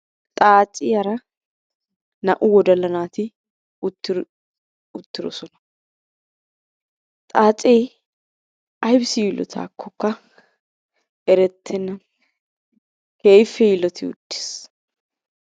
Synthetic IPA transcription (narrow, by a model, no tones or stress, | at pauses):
t̪ʼaːt͡sʼːɪjɐɾɐ | nɐʔʊwɔd̪ɐlɐnaːt̪ɪ | ʊt̪ːɪ | ʊt̪ːɪɾɔ̰sɔnɐ̥ | t̪ʼaːt͡sʼej | ɐjbsɪjɪlɔ̰t̪ʰa̰ːkʰːɔkːɐ | ʔɛɾɛt̪ʰːɛnːɐ | keːjfːɛjɪlɔt̪ʰɪʊ̰d̪ːɪ̥s